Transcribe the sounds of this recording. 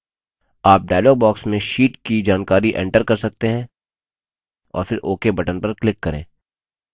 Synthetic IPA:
aːp̚ɖaːlɔːɡ̚bɔːksmẽʃiːʈkid͡ʒaːnkaːɾiʔɛ̰̃ːɳʈəɾkɐɾsɐk̚t̪eɦɛ̃ː | ɔ̰ːɾfɪɾʔoːkebɐʈənpɐɾklɪkːɐɾḛ̃ː

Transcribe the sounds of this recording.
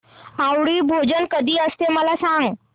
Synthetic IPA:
awɽiːbʱod͡ʑənkəd̪ʱiːəst̪eməlasãŋɡ

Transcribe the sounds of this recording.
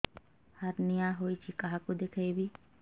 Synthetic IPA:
hɐɾnɪjaɦoːit͡ʃʰikɐɦãkod̪ekʰəibʱi

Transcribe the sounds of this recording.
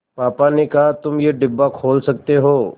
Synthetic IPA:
paːpanekɐɦat̪ʊmjeɖɪbːakʰoːlsɐk̚t̪eɦoː

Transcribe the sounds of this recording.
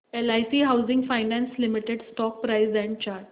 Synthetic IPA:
elajsiːɦawzĩŋɡfajnɛ̃nslimiʈeɖsʈɔk̚pɾajzɛ̃ɳɖ̚t͡ɕaɾʈ

